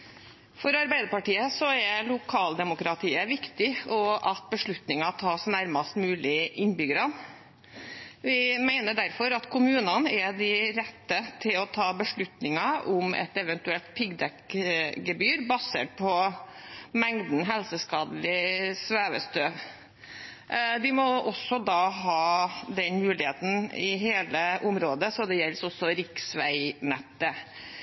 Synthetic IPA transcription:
fɔɾɑɾbæɪd̪əɾpɑʈiːəsɔɛlʊkʰɑːld̪ɛmʊkɾɑt̪ʰiːəʋɪkt̪ɪɔʔɑt̪̚bəʂɭʉt̪nɪŋɑt̪ʰɑːsnæɾmɑst̪mʉːlɪʔɪnbʏɡəɾɑn | ʋɪmæɪnəɖæɾfɔɾɑt̪kʰʊmʉːnɑnɛd̪ɪɾɛt̪ːət̪ʰɪlɔt̪ʰɑːbəʂɭʉt̪nɪŋɑʔʊmɛ̰t̪ɛʋɛnt̪ʉɛlt̪̚pʰɪɡd̪ɛkɡəbyːɾbɑseːʈ̚pʰɔ | mɛŋd̪n̩ɦɛlsəskɑːd̪l̩ɪsʋæːʋə̰st̪øːʋ | d̪ɪmɔʔɔsːɔd̪ɑːɦɑːd̪ɛnmʉːlɪheːt̪n̩ɪɦeːləʔʊmɾoːd̪əsɔd̪ɛjɛlsɔsɔɾɪksʋæɪnɛt̪ːə

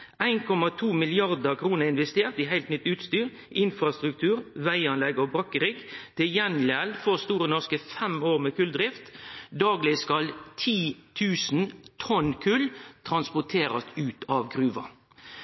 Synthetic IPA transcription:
æɪnkʰɔmɑt̪ʰuːmɪlɪɑʁd̪əkʰɾuːnəɾɪnʋɛst̪eːʁt̪iɦæɪlt̪nʏt̪ːʉːt̪st̪yːʁ | ʔɪnfɾɑst̪ɾʉk̚t̪ʰʉːɾʋæɪɑnlɛɡɔbɾɑkəɾɪɡt̪ʰɪjɛnlælfɔʁst̪uːɾənɔʁskəfɛmoːʁmekʰʉld̪ɾɪft̪d̪ɑːɡlɪskɑlt̪ʰiːt̪ʰʉːsnt̪ʰɔnkʰʉlt̪ʰɾʁɑnspɔt̪ʰeːɾɑ̰st̪ʉːt̪ɑʋɡʁʉːʋɑ

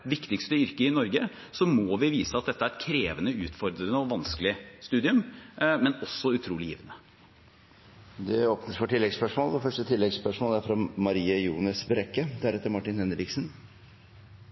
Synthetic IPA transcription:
ʋɪkt̪ɪkst̪əʏɾkəɪnɔɾɡə | sɔmɔːʋɪʋiːsəɑt̪̚d̪ɛt̪ːəæɾɛt̪kʰɾeːʋənəʉ̰ːt̪fɔɾd̪ɾənəɔʋɑnskəlɪst̪ʉːd̪ɪʉmmɛnɔsːɔʉt̪ʰɾuːlɪjḭːʋnə | d̪ɛoːpnəsfɔʈʰɪlːɛɡspœʂmɔːlʋɔfœʂʈət̪ʰɪlːɛɡspœʂmɔːlæɾfɾɑmɑɾiːəjuːnəsbɾɛkːəd̪æɾɛt̪ːəɾmɑʈːɪnhɛnd̪ɾɪksən

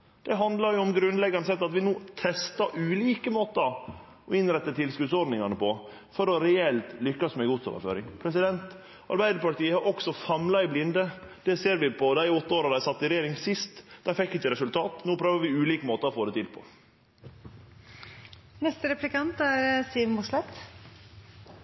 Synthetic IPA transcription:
d̪̥ɛɦɑnd̪lɑɾjʊɔmɡɾʉnd̪lɛɡːɑnəsɛt̪ːɑt̪ʋɪnuːt̪ʰɛst̪ɑʔʉːliːkəmoːt̪ə | ɔɪnɾɛt̪ːət̪ʰɪlskʉd̪sɔɾɖ̪nɪŋɑnəpʰɔ | fɔɾɔɾɛɛlt̪lʏkːɑsmæɪɡut̪so̰ːʋə̰ɾfø̰ːɾɪŋpʰɾɛsɪd̪ɛnt̪ | ɑ̰ɾbæɪd̪əɾpɑʈiːəhɑɾʔɔksɔfɑmlɑɪblɪnd̪əd̪̥ɛseːɾʋɪpʰɔd̪æɪɔt̪ːəoːɾɑd̪æɪsɑt̪ːɪɾɛjeːɾɪŋsɪst̪d̪æfɛkːɪçːəɾɛsʉlt̪ʰɑːt̪nuːpʰɾøːʋəɾʋɪʉːliːkəmoːt̪əɾɔfoːd̪ɛt̪ʰɪlpʰɔ̰ | nɛst̪əɾɛplɪkɑnt̪æɾsiːʋnmʊslɛt̪

